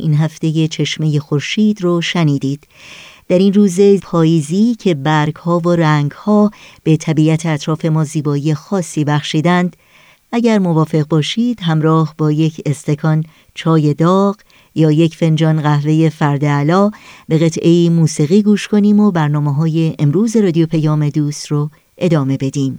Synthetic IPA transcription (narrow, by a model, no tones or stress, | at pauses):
ʔḭnɦæft̪e̞je̞t͡ʃʰe̞ʃme̞je̞xo̞ɾʃiːd̪ɾoʃæniːd̪iːd̪̥ | d̪̥æɾinruːze̞pʰɒːjiːziːcʰe̞bæɾɡhɒːvoɾæŋɡhɒːb̥e̞t̪ʰæbiʔæt̪ʰeæt̪ʰɾɒːfe̞mɒːziːbɒːije̞xɒːsːiːbæxʃiːd̪ænd̪̥ | ʔæɟæɾmo̞vɒːfe̞ɣbɒːʃiːd̪̥ɦæmɾɒːhbɒːje̞cʰe̞st̪e̞kʰɒn | t͡ʃʰɒːje̞d̪ɒːɣ̥ | jɒːje̞cʰfe̞nd͡ʒɒːnɢæhve̞je̞fæɾd̪eælɒːb̥e̞ɣe̞t̪ʰʔe̞iːmuːsiːɣiːɡuːʃkʰo̞niːmobæɾnɒːmeɦɒːje̞ʔemɾuːze̞ɾɒːd̪io̞pʰejɒːme̞d̪uːst̪ro | ʔe̞d̪ɒːme̞be̞d̪iːm